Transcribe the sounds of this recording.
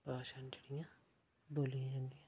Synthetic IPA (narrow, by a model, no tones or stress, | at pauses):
paːʃənd͡ʒəɽijãː | boːlijãːd͡ʒãːnd̪ijã